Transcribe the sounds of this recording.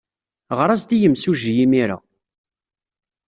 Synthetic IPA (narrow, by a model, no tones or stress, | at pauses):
ʁɾˤɑzd̪ijəmsuʒjimiɾa̰